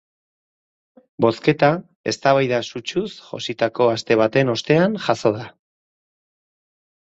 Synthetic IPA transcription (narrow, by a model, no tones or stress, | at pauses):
bo̞ske̞t̪a | e̞̰st̪aβajðasut͡ʃusʝo̞̰sit̪ako̞ast̪e̞β̞at̪e̞no̞st̪e̞anʝaso̞ð̞a